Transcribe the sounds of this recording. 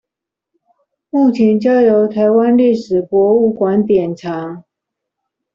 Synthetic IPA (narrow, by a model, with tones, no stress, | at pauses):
mu˥˩t͡ɕʰjɛ˧˥nt͡ɕjɑ˥˩ʊjo˧˥ʊt̪ʰa˧˥ɪwa˥nli˥˩ʂɻ̩˨˩pwɔ˧˥u˥˩kwa˧˥nt̪jɛ˨˩nʈ͡ʂʰa˨˧˥ŋ